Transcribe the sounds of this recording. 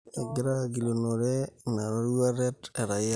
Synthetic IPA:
a˨ɡiɾaɡi˨lonoɾe˦na˨ɾa˦ɾua˦ɾɛ˦te˨ɾa˨

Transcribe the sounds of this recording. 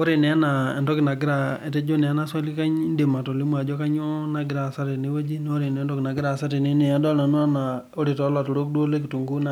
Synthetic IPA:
o˦ɾe˨nɛ˨a˦na˨e˨ndɔ˦ki˨na˨ɡɪ˦ɾa˨e˨te˦d͡ʒo˦nɛ˨a˦na˦swa˦li˦ka˦ɲ˦nde˨ma˨to˨li˦mwa˨d͡ʒɔ˦ka˦ɲo˦na˦ɡɪ˨ɾa˨sa˦ɾe˨ne˦we˦d͡ʒi˦ne˦o˦ɾe˨nɛ˨˦ndɔ˦ki˨na˨ɡɪ˦ɾa˨sa˦ɾe˨ne˦ne˨a˦dɔ˦na˨nu˦a˦na˨ | o˦ɾi˨tɔ˨˦la˨to˨ɾo˦k̚dwo˦le˦k̬i˨tu˨ŋɡu˦na˨

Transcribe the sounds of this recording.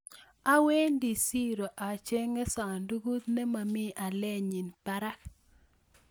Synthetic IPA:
a˦we˦ndi˨si˦ɾo˨ʔa˨t͡ʃe˦ŋe˦sa˨ndu˦ɡu˦t̪̚ne˦ma˨mɪ˦a˨lɛ˦ɲi˨npa˦ɾa˦k

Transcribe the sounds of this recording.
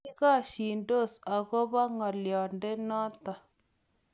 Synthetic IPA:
ɣa˦˨ʃi˨ndo˦˨sa˨ɣo˦βa˦ŋɔ˨ljɔ˨nde˦nɔ˦t̪a˨

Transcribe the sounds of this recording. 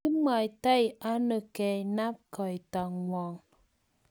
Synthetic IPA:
i˦ma˨i˨ta˦jʔa˦nə˨kɛ˨i˨na˦p̚ka˨i˨ta˨ŋwɔ˨ŋ

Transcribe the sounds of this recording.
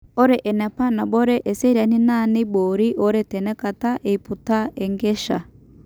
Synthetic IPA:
o˦ɾeʔe˨nɛ˨pa˦na˨bo˦ɾe˦ʔe˨se˦ɾia˨ni˦na˦ni˦boːɾi˦ʔo˦ɾe˦te˨ne˦ka˨ta˦ʔeiputa˦e˨ŋɡe˦ʃa̰˨

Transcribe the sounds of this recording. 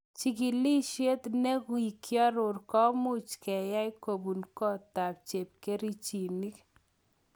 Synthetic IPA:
t͡ʃi˨k̬i˨li˦ʃje˦t̪ne˦ki˨kjɔ˦ɾʊ˨rkɔ˦mʊ˦t͡ʃkɛ˨ja˦ɪ˦ko˨bu˨nkɔ˦ta˨p̚t͡ʃe˨p̚ke˦ɾi˦t͡ʃi˨ni˦k

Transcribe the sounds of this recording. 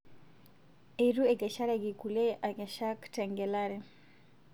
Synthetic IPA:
e˨ɾu˦e˨ɡɛ˨ʃa˦ɾɛɡɪ˨ku˨le˦ʔa˨ɡɛ˨ʃa˦ktɛ˨ŋɡɛlaɾɛ˦

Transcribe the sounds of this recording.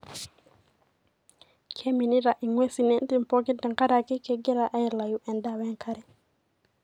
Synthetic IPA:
kʰe˦mi˨ni˦ɾa˨ʔi˨ŋwe˦si˨ne˦n˦ti˦m˨pɔ˦ki˦tə˨ŋka˦ɾa˨kɪ˦kɛ˦ɡe˦ɾa˦ʔa˦ɛ˨la˨ju˨˦ʔɛ˨nda˦wɛ˦ŋkʰa˦ɾɛ˨

